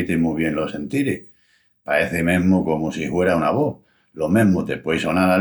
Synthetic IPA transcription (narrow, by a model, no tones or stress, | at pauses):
t̪emuβ̞jẽ̞nlosẽ̞nt̪iɾe | pae̞θemẽ̞ɦmoko̞mosihwe̞ɾaunaβo | lo̞mẽɦmot̪e̞pwejso̞naɾa